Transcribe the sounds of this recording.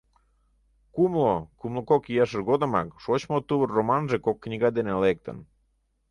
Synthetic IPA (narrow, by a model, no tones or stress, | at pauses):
kumlokumlˠokokijɑʃərɣod̪ə̆mɑ̰kʃot͡ɕmot̪uβərːomɑnʒekokːnʲiɣɑd̪enelek̚t̪ə̰̆n